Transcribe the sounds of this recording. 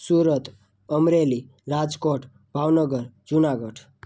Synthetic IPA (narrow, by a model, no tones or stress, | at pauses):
suɾət̪ | ʌmɾeli | ɾad͡zkoʈʰ | bʱawnʌɡʌɾd͡zunaɡʌʈʰ